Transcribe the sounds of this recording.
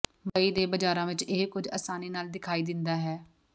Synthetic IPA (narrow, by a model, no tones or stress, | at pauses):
bəiːd̪eːbəd͡ʒaːɾãːʋɪt͡ʃekʊd͡ʒə̰saːniːnaːld̪ɪkʰaːiːd̪ɪnd̪aːɦɛː